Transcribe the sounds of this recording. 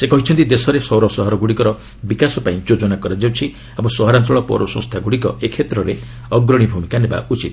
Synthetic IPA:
sekɔɦit͡ʃʰɔnt̪id̪esɔɾesɔwɾɔsɔɦɔɾɔɡuɽikɔɾɔ | bikasɔpaĩd͡ʒod͡ʒɔnakɔɾad͡ʒawt͡ʃʰi | abɔ̃sɔɦɔɾant̪ɾɔɭɔpɔ̰ɾɔsɔ̃st̪ʰaɡuɽikɔ̰ekʰet̪ɾɔɾe | ɔɡɾɔɽ̃ibʱumikaneba̰ʔut͡ʃit̪

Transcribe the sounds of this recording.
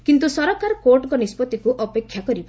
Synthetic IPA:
kint̪usɔɾɔkaɾɔkoʈɔɡɔnispɔt̪ikuʔɔpekʰːjakɔɾib

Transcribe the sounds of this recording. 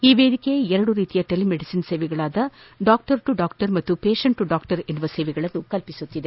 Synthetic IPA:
iːʋeːd̪ikːejɛɾɐɽuɾiːt̪ijɐʈelimeɽisinseːʋɛɡɐɭaːd̪ɐ | ɖaːk̚ʈɐɾʈuɖaːkʈɐɾmɐt̪ːupeːʂɐɳʈuɖaːkʈɐɾenʋɐseːʋɛɡɐɭɐnːukɐlpisut̪ːid̪e

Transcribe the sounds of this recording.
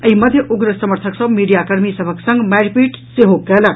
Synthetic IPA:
əɦimʌd̪ʱjəʔuɡɾəsəməɾt̪ʰəksəbmiɖijakəɾmisʌbʱəksʌ̃ŋɡmaɾpiʈseɦoɡɛla

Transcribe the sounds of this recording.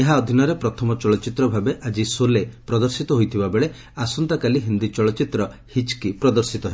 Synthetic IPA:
eɦaɔd̪ʱinɔɾepɾɔt̪ʰɔmɔt͡ʃɔɭɔt͡ʃit̪ɾɔbʱabeʔad͡ʒisolepɾɔd̪ɔɾsit̪ɔɦojt̪ʰibabeɭe | asɔnt̪akaliɦind̪it͡ʃɔɭɔt͡ʃit̪ɾɔhit͡ʃkipɾɔd̪ɔɾsit̪ɔɦe

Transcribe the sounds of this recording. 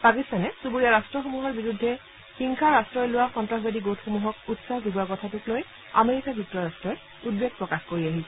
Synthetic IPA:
pakistanɛsubuɹijaɹastɹɔxomuɦɔɹbiɹudʱːɛ | xiŋkʰaɹastɹɔjlʊwaxɔntɹaxbadiɡotxomuɦɔkutsahdubɔakɔtʰatʊkloj | a̰meɹikaɡutːɹɔɹastɹɔ | ud̚bek̚pɹɔkaxkoɹiaɦisɛ

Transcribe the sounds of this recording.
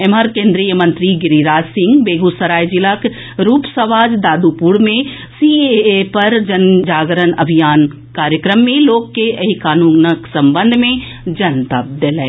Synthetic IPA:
eməɾkẽːnd̪ɾijəmɐ̃nt̪ɾiɡɪɾiɾaːd͡ʒsɪ̃ŋɡbeːɡusəɾaːjd͡ʒɪlək | ɾuːpsɐʋaːd͡ʒd̪aːd̪upuɽmẽ | sieepɐɾd͡ʒɐnd͡ʒaːɡɾənɐbʱijaːn | kaːɾjəkɾəmːẽloːkːeʔɐɦikaːnũːnəksɐ̃mbə̃nd̪ʱmẽ | d͡ʒɐnt̪ɐp̚d̪elɛ

